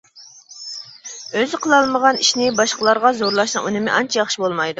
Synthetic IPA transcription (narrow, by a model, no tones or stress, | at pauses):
øzɪqʰəlˠɑlˠməʁɑniʃnɪbɑʃqəlˠɑɾʁɑzoɾlˠɑʃnɨŋʔunɪmɪʔɑnt͡ʃʰɛjɑχʃibolˠmɑjd̪u